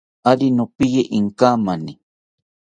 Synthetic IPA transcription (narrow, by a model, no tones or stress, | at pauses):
aɾinopijeʔiŋkamani